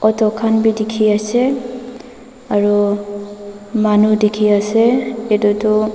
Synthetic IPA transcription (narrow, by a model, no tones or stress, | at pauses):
ɔtɔkʰanbidikʰiasɛ | aɹu | manudikʰiasɛetutʊ